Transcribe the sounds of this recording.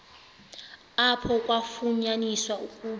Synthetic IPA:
apʰɔkʼwafuɲaniswaukʼuː

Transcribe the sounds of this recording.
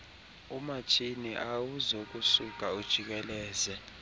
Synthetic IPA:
umat͡ʃʰiniʔawuzok̬ʼusuk̬ʼaud̥ʒ̥ʱik̬ɛlɛːzɛ

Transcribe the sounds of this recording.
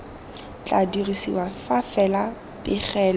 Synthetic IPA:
t͡ɬʼadirisḭwafafɛla | pɪχɛːl

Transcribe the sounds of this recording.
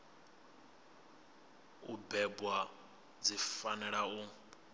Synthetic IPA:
ubɛbwa | d͡zifanɛɺau

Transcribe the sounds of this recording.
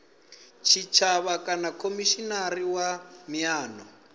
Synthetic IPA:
t͡ʃʰit͡ʃʰaβakanakʰomiʃinariwamiaːnɔ

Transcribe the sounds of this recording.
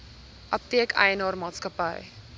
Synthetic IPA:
ʔɐp̚tiəkɐ̰jənɑːrmɑːtskəpə̰j

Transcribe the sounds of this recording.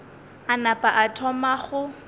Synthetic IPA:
anapʼaʔatʰɔmaχʊ

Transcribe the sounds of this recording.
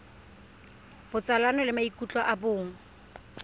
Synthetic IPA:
b̥ʊt͡sʼalanɔlɪmaikʼut͡ɬʼɔʔabʊːŋ̩

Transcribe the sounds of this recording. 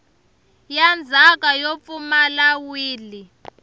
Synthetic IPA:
jand͡zʱak̬ʼajop̪fumalawiːli

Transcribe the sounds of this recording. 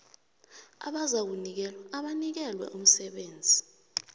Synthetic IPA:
a̰ɓazak̬unik̬ɛlwaːɓanik̬ɛlwɛ̰ʔum̩sɛɓeːnd͡zʱi

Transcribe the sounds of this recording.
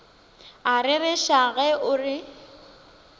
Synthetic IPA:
arɪrɪʃaɣɛʔʊrɪ

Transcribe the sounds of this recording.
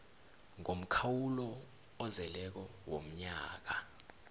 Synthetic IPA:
ŋom̩kʰawulɔː | zɛlɛk̬ɔwom̩ɲaːk̬a

